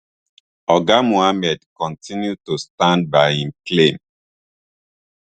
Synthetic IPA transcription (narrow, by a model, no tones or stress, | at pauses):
ɔɡamoamɛdkɔ̃ntʰĩnjud̚tustãnd̚baɪĩnklẽm